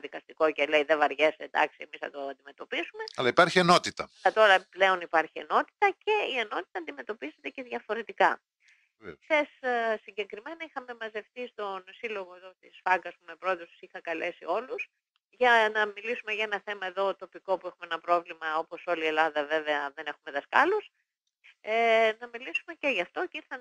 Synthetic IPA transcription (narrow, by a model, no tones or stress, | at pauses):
ðikɐst̪iko̞cele̞iðevɐɾʝesed̪ɐ̰ksiemisθɐ̰t̪oɐnd̪ime̞t̪o̞pisume̞ɐlɐipɐɾçieno̞t̪it̪ɐɐt̪oɾɐple̞o̞nipɐɾçie̞̰no̞t̪i̥t̪ɐce̞ieno̞t̪i̥t̪ɐːnd̪ime̞t̪o̞pize̞t̪ece̞ðʝɐfo̞ɾe̞t̪ikɐ | essiɲɟe̞kɾime̞nɐixɐme̞mɐze̞fθist̪o̞nsilo̞ɣo̞eðo̞t̪isfɐɡɐspumepɾoeðost̪u̥sixɐkɐle̞sḭo̞lus | ʝɐnɐmilisume̞ʝɐenɐθe̞mɐe̞ðo̞t̪o̞piko̞puexumeenɐpɾo̞vlimɐo̞po̞so̞lie̞lɐðɐve̞ve̞ɐðe̞ne̞xume̞ðɐskɐ̰lus | nɐmilisume̞ce̞ʝɐft̪o̞ceiɾθɐn